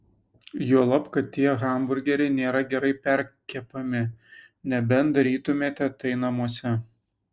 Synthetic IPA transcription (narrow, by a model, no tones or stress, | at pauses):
juɔlˠɐpkɐtt̪ʲiɛɣɑˑmbʊɾʲɡʲɛɾʲɛɪnʲeːɾɐɡʲɛɾɐɪpʲɛɾʲkʲɛpɐmʲɪ | nʲɛbʲɛnd̪ɐɾʲiːt̪ʊmʲeːt̪ʲɛt̪ɐɪnɐmuɔsʲɛ